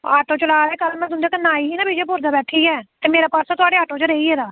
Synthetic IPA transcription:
a̰ːʈõːt͡ʃəlaːd̪eːkəlːmɛ̃t̪ʊnd̪eːkənaːiːiːnãːbid͡ʒeːpʊɾd̪aːbɛːʈʰiːɛːt̪eːmeːɾaːpəɾsaːt̪ʊaːɖeːaːʈõːt͡ʃəɾeiːɛːd̪aː

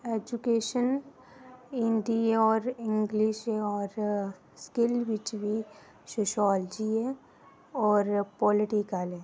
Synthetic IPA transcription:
ed͡ʒukeːʃən | ɪ̃nɖiɔːɾɪ̃ŋɡliʃɦɛɔːɾ | skɪlʋɪt͡ʃbʱi | soːʃɔːld͡ʒiɦɛ | ɔːɾpɔːlɪʈikəlɦɛː

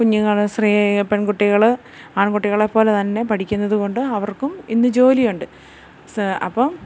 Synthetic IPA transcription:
kuɲːuŋːɐɭsriːpeɳkuʈːiɣɐɭ | aːɳkuʈːiɣɐɭepːo̞ːlet̪ɐnːe̞pɐʈʰikʲːunːɐðuko̞ɳɖɨɐʋɐrkuminːɨd͡ʑo̞ːlijuɳɖɨ | sɐ̰pːɐm

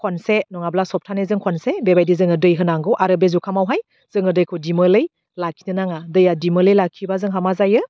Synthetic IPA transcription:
kʰonsenɔŋablasɔp̚tʰanɯzɯŋkʰɔnsebebajdizɯŋɯdɯjɦɯnaŋɡɯwʔaɾɯbezukʰamawɦaj | z̥ɯŋɯdɯjkʰɯwdiməlɯj | lakʰi̥nɯnaŋadɯjadiməlɯjlakʰibazɯŋɦamazajɯ

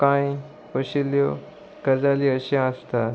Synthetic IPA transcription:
kãj | pəɕiljo | kəd͡zaliəɕĩãst̪a

